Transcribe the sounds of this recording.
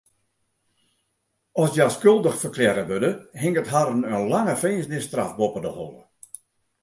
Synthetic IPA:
ɔsdjaskølˠdəxfərkʰlɛɾəʋødəhɪŋətɦaɾənənlaŋəfeːsnɪstra̰fbopədəho̰lˠə̰

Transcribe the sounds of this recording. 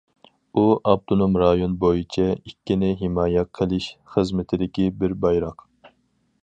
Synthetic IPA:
uʔɑb̚t̪ʰonomɾɑːjonbojit͡ʃʰɛikʲːinɪɦɪmɑːjɛqʰəlˠɪʃχəzmɪt̪ʰɪd̪ɪkʲibɪɾbɑjɾɑq

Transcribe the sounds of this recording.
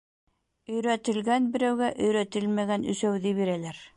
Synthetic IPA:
ɵ̆jɾæt̪ɘ̆lɡænbɘ̆ɾæwɡæʔɵ̆jɾæt̪ɘlmæɣænɵ̰̆sæwðiβiɾælæɾ

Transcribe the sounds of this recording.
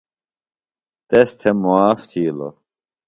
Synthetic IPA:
t̪est̪ʰemuaːft̪ʰiːlo̰

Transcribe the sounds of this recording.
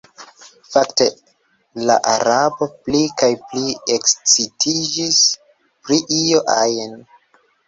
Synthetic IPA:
fakte | la̰ʔaɾabo̞plikajpliekst͡sitʰid͡ʒis | pɾiʔioʔajen

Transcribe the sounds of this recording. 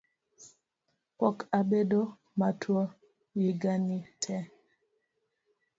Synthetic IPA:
pɔkabedo | matʰwɔ | jiɡanitʰɛ

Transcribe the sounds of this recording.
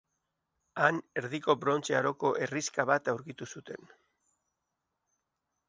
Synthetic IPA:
ane̞ɾðiko̞bɾo̞nt͡seaɾo̞ko̞ʔe̞riskaβat̪awɾkit̪usut̪e̞n

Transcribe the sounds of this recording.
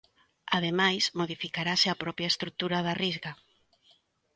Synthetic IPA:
að̞emajsmoðifikaɾasɪapɾɔpjaest̪ɾuk̚t̪uɾaðarizɣa

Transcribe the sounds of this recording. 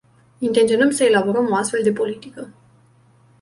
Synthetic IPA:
int̪e̞nt̪sionəmsəe̞labo̞ɾəmo̞ast̪fe̞ld̪e̞po̞lit̪ikə

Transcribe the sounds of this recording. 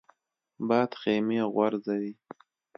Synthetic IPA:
bɑːd̪xemeɣwaɾzawi

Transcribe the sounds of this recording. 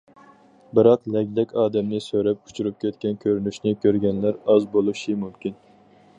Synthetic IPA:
bɨɾɑqlɛkʲd̪ɛkʲɑːd̪ɛmnɪsøɾɛp̚kʰu̥t͡ʃʰyɾyp̚kʲɛt̪̚kʲɛnkʲʰøɾynyʃnɪkʲøɾɡʲɛnlæɾɑzbolˠuʃimumkʲin

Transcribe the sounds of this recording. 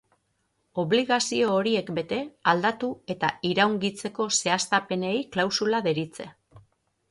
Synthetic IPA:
o̞βliɣasio̞ːɾie̞kbe̞t̪e̞ald̪at̪ue̞t̪aiɾawŋɡit͡se̞ko̞se̞ast̪ape̞ne̞jklawsulaðe̞ɾit͡se̞̰

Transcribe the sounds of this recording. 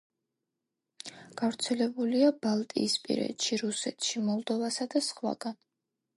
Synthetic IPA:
ɡ̥avɾt̪sʰɛlɛbuliabalˠt̪ʼḭːspʼḭɾɛ̰t̪ʃiɾusɛt̪ʰʃimɔlˠd̪ɔvasad̪asχwa̰ɡ̥an

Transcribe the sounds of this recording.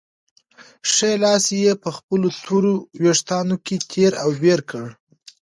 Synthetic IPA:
ʂejlɑsejepəxpəlot̪ʰoɾoweʂt̪ɑnoket̪ʰeɾawbeɾkəɽ

